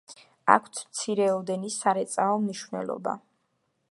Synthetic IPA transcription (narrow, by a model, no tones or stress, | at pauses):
a̰kʷʰt̪sʰmt̪sʰiɾɛɔd̪ɛnisaɾɛt̪sʼaɔmniʃvnɛ̰lˠɔ̰ba̰